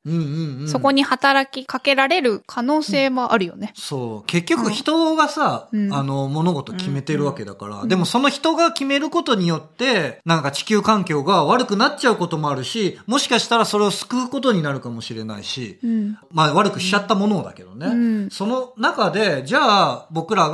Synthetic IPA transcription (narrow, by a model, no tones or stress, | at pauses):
ɯ̟̃ːɴɯ̟̃ɴ̃so̞ko̞ɲ̟ihat̪aɾakʲikake̞ɾaɾe̞ɾɯ̟kʰano̞ːse̞ːmo̞ʔa̰ɾɯ̟jo̞̰ne̞so̞ːke̞kʲːo̞kɯ̟çi̥t̪o̞ɡasaːno̞mo̞no̞ɡo̞t̪o̞kʲime̞t̪e̞ɾɯ̟β̞ake̞d̪a̰ka̰ɾa̰d̪e̞mo̞so̞no̞çi̥t̪o̞ɡakʲime̞ɾɯ̟ko̞t̪o̞ɲ̟ijo̞t̪ːe̞nãŋkat͡ɕi̥kʲɨːkãŋkʲo̞ːɡaβ̞aɾɯkɯ̟natt͡ɕaɯ̟ko̞t̪o̞mo̞aɾɯ̟ɕimo̞ɕi̥kaɕi̥t̪aɾaso̞ɾe̞o̞sɨ̥kɯ̟ːko̞t̪̬o̞ɲ̟inaɾɯ̟kamo̞ɕiɾe̞na̰ḭɕḭmaβaɾɯ̟kɯ̟ɕiat̪ːamo̞no̞d̪a̰ke̞d̪o̞neso̞no̞nakad̪e̞d͡ʑaːbo̞kɯ̟ɾaɡ